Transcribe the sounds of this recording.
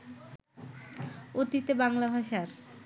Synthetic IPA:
ot̪it̪ebaŋlabʱaʃaɾ

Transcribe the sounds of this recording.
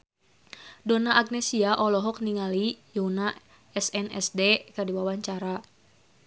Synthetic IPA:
dɔnaʔːɡ̚nɛsiaʔɔlɔɦɔkniŋalijona | ɛsɛnɛ̰sdekardiwawaɲt͡ʃaɾa

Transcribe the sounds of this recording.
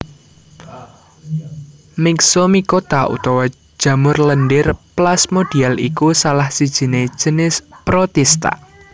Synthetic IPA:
mɪksomikot̪aʔṵt̪ɔwɔ̥ | ʒ̥ä̤mʊrlənɖɪrplasmod̥ialḭkusalahsid̥ʒ̥i̤ne̥ʒ̥ə̤nɪspɾot̪ɛst̪a̰

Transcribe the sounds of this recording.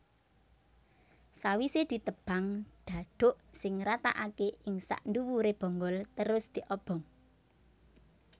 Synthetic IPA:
sawised̪̥i̤t̪əb̥aŋɖ̪̥ä̤ɖ̪̥o̤ʔsɪŋɾat̪a̰ʔakeʔɪŋsa̰ʔnd̪uwuɾeb̥ɔ̤ŋɡɔlt̪əɾʊsd̪̥i̤ʔɔb̥ɔ̤ŋ

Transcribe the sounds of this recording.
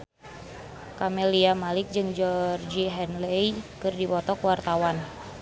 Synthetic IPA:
kamɛliamalɪk̚d͡ʒɨŋd͡ʒɔrd͡ʒiɦɛnlɛikɨrdipɔt̪ɔkwart̪awan

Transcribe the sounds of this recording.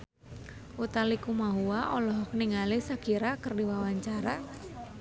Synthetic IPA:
ʔut̪alikumaɦuaʔɔlɔɦɔk̚niŋalisakiɾakɨrdiwawaɲt͡ʃaɾa

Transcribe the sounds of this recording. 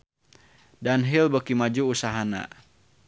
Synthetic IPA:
danɦilbəkimad͡ʒuːsaɦana̰

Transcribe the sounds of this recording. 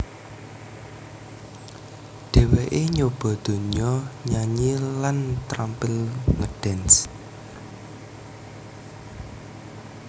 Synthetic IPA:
ɖ̪̥e̤weʔeɲob̥ɔ̤d̪̥o̤ɲɔɲaɲilant̪ɾampɪlŋəɖ̥ɛns

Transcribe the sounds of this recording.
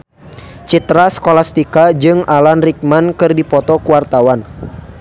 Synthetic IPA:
t͡ʃit̪ɾasə̥kolast̪ikad͡ʒɨŋalanrik̚mankɨrdipɔt̪ɔkuwart̪awan

